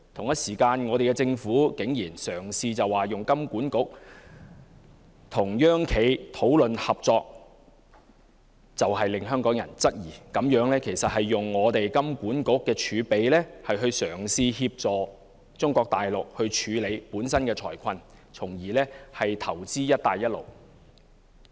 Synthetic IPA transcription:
t̪ʰʊ˨˩ŋjɐ˥t̚siː˨˩kaː˧nŋɔː˨˧ɾe˨jkɛ˧t͡sɪ˧ŋfuː˨˥kɪ˨˥ŋjiː˨˩nsœː˨˩ŋsiː˧t͡sɐ˨waː˨jʊ˨ŋkɐ˥mkuː˨˥nkʊ˨˥k̚ | t̪ʰʊ˨˩ŋjœː˥ŋkʰe˨˥jt̪ʰo˨˥wlɵ˨nhɐ˨p̚t͡sɔː˧k̚ | t͡sɐ˨wɦɐ˨jlɪ˨ŋɦœː˥ŋkɔː˨˥ŋjɐ̰˨˩nt͡sɐ˥k̚jiː˨˩kɐ˨˥mjœː˨˥ŋlɛː˥kʰe˨˩jsɐ˨t̚hɐ˨jːʊ˨ŋːɔː˨˧t̪e˨jkɐ˥mkuː˨˥nkʊ˨˥kːɛː˧t͡ʃʰyː˨˧pe˨jlɛː˥hɐ˨jɦɵ˧ɥsœː˨˩ŋsiː˧hiː˧p̚t͡sɔː˨˩ | t͡sʊ˥ŋkɔː˧k̚t̪aː˨jlʊ˨k̚hɵ˧ɥt͡ʃʰyː˨˧le˨˧jpuː˨˥nsɐ˥nkɛː˧t͡sʰɔː˨˩jkʰɐ˧nt͡sʰʊ˨˩ŋjiː˨˩lɛː˥hɐ˨jt̪ʰɐ˨˩wt͡siː˥jɐ˥t̚t̪aː˨jɐ˥t̚lo̰˨˩w

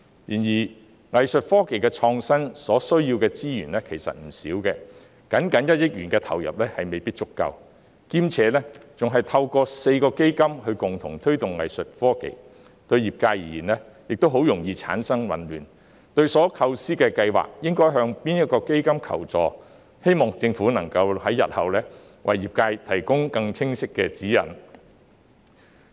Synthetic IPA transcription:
jiː˨˩njiː˨˩ | ŋɐ˨jsɵ˨t̚fɔː˥ke˨˩jkɛː˧t͡ʃʰɔː˧ŋsɐ˥nsɔː˨˥sɵ˥ɥji˧wkɛː˧t͡siː˥jyː˨˩nlɛː˥kʰe˨˩jsɐ̰˨t̚m̩˨˩siː˨˥wkɛː˧ | kɐ˨˥nkɐ˨˥njɐ˥t̚jɪ˥k̚jyː˨˩nkɛː˧t̪ʰɐ̰˨˩wjɐ̰˨p̚lɛː˥hɐ˨jme˨jpiː˥t̚t͡sʊ˥kːɐ̰˧w | kiː˥mt͡sʰɛː˨˧˥lɛ˥t͡sʊ˨ŋɦɐ˨jt̪ʰɐ˧wkɔː˧se˧jkɔː˧ke˥jkɐ˥mhɵ˧ɥkʊ˨˩ŋt̪ʰʊ̰˨˩ŋt̪ʰɵ˥ɥt̪ʊ˨ŋːɐ̰˨jsɵ˨t̚fɔː˥kḛ˨j | t̪ɵ˧ɥjiː˨p̚kaː˧jiː˨˩jiː˨˩nlɛː˥ | jɪ˨k̚t̪o˥wɦo˨˥wjʊ˨˩ŋjiː˧t͡sʰa̰ː˨˥nsɐ˥ŋwɐ̰˨˩nlyː˨˩n | t̪ɵ˧ɥsɔː˨˥kʰɐ˧wsiː˥kɛː˧kɐ˧jwa̰ː˨k̚jɪ˥ŋkɔː˥jɦœː˧ŋpiː˥njɐ˥t̚kɔː˧ke˥jkɐ˥mkʰɐ̰˨˩wt͡sɔ̰ː˨˩ | he˥jmɔː˨ŋt͡sɪ˧ŋfuː˨˥nɐ˨˩ŋkɐ˧whɐ˨˥jːɐ˨t̚hɐ˨wlɛː˥ | wɐ̰˨˩jːiː˨p̚kaː˧jt̪ʰɐ˨˩jkʊ˥ŋkɐ˧ŋt͡sʰɪ˥ŋsɪ˥kːɛː˧t͡siː˨˥jɐ̰˨˩n

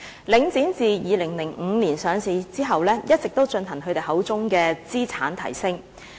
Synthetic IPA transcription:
lɪ˨˥ŋt͡siː˨˥nt͡siː˨jiː˨˧lɪ˨˩ŋlɪ˨˩ŋ̩˨˧niː˨˩nsœː˨˧ŋsiː˨˧t͡siː˥ɦɐ˨wlɛː˥jɐ˥t̚t͡sɪ˨k̚t̪o˥wt͡ʃɵ˧nhɐ˨˩ŋɦɵ˨˧t̪e˨˩ɦɐ˨˥wt͡sʊ˥ŋkɛː˧t͡siː˥t͡sʰaː˨˥nt̪ʰɐ̰˨˩jsɪ˥ŋ

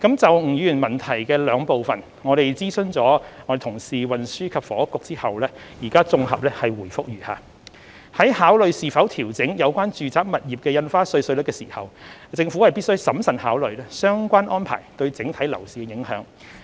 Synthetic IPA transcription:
kɐ˨˥mt͡sɐ˨wŋ̩˨˩jyː˨˥yː˨˩nmɐ˨˩nt̪ʰɐ˨˩jkɛː˧lœː˨˧ŋpo˨wfɐ˨n | ŋɔː˨˧ɾe˨jt͡siː˥sɵ˧nt͡sɔː˨˥ŋɔ˧de˨˩t̪ʰʊ˨˩ŋsiː˨wɐ˨nsyː˥kʰɐ˨p̚fɔː˨˥kʊ˨˧k̚t͡siː˥hɐ˨wlɛː˥jiː˨˩kaː˥t͡sʊ˧ŋɦɐ˨p̚lɛ˥hɐ˨jwuː˨˩jfʊ˥k̚jyː˨˩ha̰ː˨˧ | hɐ˨˥jhaː˨˥wlɵ˨˧ɥsiː˨fɐ˨˥wt̪ʰiː˨˩wt͡sɪ˨˥ŋjɐ˨˧wkʷaː˥nt͡ʃyː˨t͡saː˨˥k̚mɐ˨t̚jiː˨p̚kɛː˧jɐ˧nfaː˥sɵ˧ɥsɵ˧lə˥kːɛː˧siː˨˩hɐ̰˨wt͡sɪ˧ŋfuː˨˥hɐ˨jpi˥t̚sɵ˥ɥsɐ˨˥msɐ˨nhaː˨˥wlɵ˨˧ɥlɛ˥sœː˥ŋkʷaː˥nʔɔː˥npʰa̰ː˨˩jt̪ɵ˧ɥt͡sɪ˨˥ŋt̪ʰɐ˨˥jlɐ˨˩wsiː˨kɛ˧jɪ˨˥ŋhœ̰ː˨˥ŋ

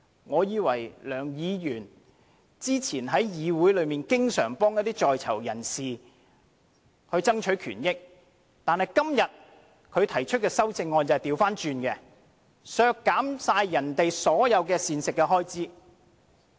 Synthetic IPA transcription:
ŋɔː˨˧jiː˨˧wɐ˨˩jlœː˨˩ŋjiː˨˧jyː˨˩n | t͡siː˥t͡sʰiː˨˩nɦɐ˨˥jjiː˨˧wuː˨˥jlɵ˨˧ɥmiː˨nkɪ˥ŋsœː˨˩ŋpɔː˥ŋjɐ˥t̪iː˥t͡ʃɔː˨jt͡sʰɐ̰˨˩wjɐ˨˩nsiː˨ | kʰɵ˨˧ɥt͡sɐ˥ŋt͡ʃʰɵ˨˥ɥkʰy̰ː˨˩njɪ˥k̚ | t̪aː˨nhɐ˨˩jkɐ˥mjɐ˨t̚ | kʰɵ˨˧ɥt̪ʰɐ˨˩jt͡ʃʰɵ˥t̚kɛː˧sɐ˥wt͡sɪ˧ŋːɔː˧nt͡sɐ˨jt̪iː˨˧wfaː˥nt͡ʃyː˧nkɛ˧ | sœː˧kːaː˨˥msaː˧jjɐ˨˩nt̪e˨jsɔː˨˥jɐ˨˧wkɛː˧siː˨nsɪ˨kːɛ˧ɦɔː˥jt͡siː˥

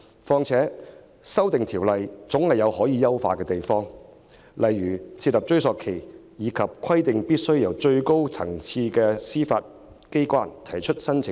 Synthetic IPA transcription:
fɔː˧ŋt͡sʰɛː˨˥ | sɐ˥wt̪ɪ˨ŋt̪ʰiː˨˩wlɐ˨jt͡sʊ˨˥ŋhɐ˨jɐ˨˧whɔː˨˥jiː˨˧jɐ˥wfaː˧kɛː˧t̪e˨jfɔː˥ŋ | lʔɐ˨jːyː˨˩t͡sʰiː˧t̚lɐ˨p̚t͡ʃɵ˥ɥsɔː˨kʰe˨˩j | jiː˨˧kʰɐ˨p̚kʷʰɐ˥jt̪ɪ˨ŋpiː˥t̚sɵ˥ɥjɐ˨˩wt͡ʃɵ˧ɥko˥wt͡sʰɐ˨˩ŋt͡sʰiː˧kɛː˧siː˥fa̰ː˧t̚ | ke˥jkwaː˥nt̪ʰɐ˨˩jt͡ʃʰɵ˥t̚sɐ˥nt͡sʰɪ˨

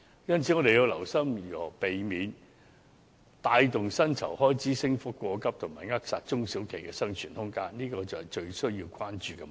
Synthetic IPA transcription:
jɐ˥nt͡sʰiː˨˥ŋɔː˨˧ɾe˨ji˧wlɐ˨˩wsɐ˥mjyː˨hɔ˨˩pe˨jmiː˨˧n | t̪aː˧jt̪ʊ˨ŋsɐ˥nt͡sʰɐ˨˩whɔː˥jt͡siː˨˥sɪ˥ŋfʊ˥kkːʷɔː˧kɐ˥p̚t̪ʰʊ˨˩ŋmaː˨˩jŋaː˥k̚saː˧t̚t͡sʊ˥ŋsi˨˥wkʰe˨˩jkɛ˧sɐ˥ŋt͡ʃʰyː˨˩nhʊ˥ŋkaː˥nniː˥kɔː˧t͡sɐ˨whɐ˨˩jt͡ʃɵ˧ɥsɵ˥ɥjiː˧wkʷaː˥nt͡ʃyː˨kɛ˧

